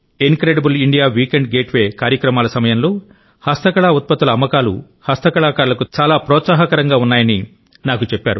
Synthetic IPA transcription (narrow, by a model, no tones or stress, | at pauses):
enkɾeːɖɐbuliɳɖijaːʋiːkeɳɖɡe̞ːʈʋe̞ːkaːɾjɐkɾɐmaːlɐsɐmɐjɐmlo̞ː | hɐst̪ɐkɐɭaːut̪̚pɐt̪ːulɐːmːɐkaːlṵ | hɐst̪ɐkɐɭaːkaːɾulɐkut͡ʃaːlaːpɾɔːt̪saːɦɐkɐɾɐŋɡaːunːaːjɐni | naːkut͡ʃepːaːɾu